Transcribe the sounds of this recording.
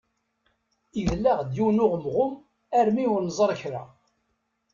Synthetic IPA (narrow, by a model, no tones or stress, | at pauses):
iðlːæʁd̪juwnʊʁəmʁʊm | æɾmiʊɾnzˤəɾˤçɾa̰